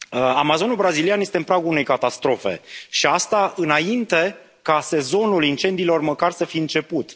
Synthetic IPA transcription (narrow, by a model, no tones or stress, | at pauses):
amazo̞nulbɾazilianje̞st̪eɨmpɾaɡoune̞jkat̪ast̪ɾo̞fe̞̰ʃiast̪aʔɨnaint̪e̞ | kase̞zo̞nulint͡ʃe̞nd̪iːlo̞rməkarsəfijɨnt͡ʃe̞put̪